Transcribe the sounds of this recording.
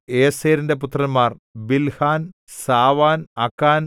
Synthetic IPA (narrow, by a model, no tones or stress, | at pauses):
eːseːɾinde̞p̬ut̪rɐnmːaːrbilhaːn | saːʋaːnɐkːaːn